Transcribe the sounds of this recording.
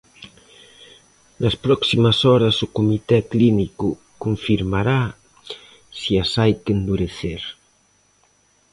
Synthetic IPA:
nɐspɾɔksimasɔɾɐsukumit̪ɛkliniku | kuɱfiɾmaɾa | siasajkend̪uɾeθeɾ

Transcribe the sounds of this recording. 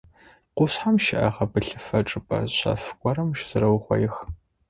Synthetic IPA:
qʷʊsħamʃɪʔɐʁɐbɨɬɨfɐʈ͡ʂʼɨpʼɐ̰ɕɐ̰fkʷʼɔɾɐmʃz̥ɨɾɐwχʷɐ̰jɪx

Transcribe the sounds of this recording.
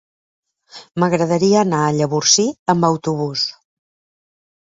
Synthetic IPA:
məɣɾəðəɾiəːnaəʎəβursiəmbəwt̪uβ̞us

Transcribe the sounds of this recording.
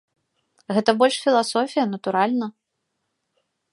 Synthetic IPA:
ɣɛt̪ɐbɔlʲʂfʲilˠasɔfʲijɐnɐt̪uɾalʲnɐ

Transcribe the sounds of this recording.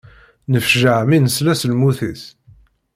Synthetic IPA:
nəfʒəʕminəslæslmuθis

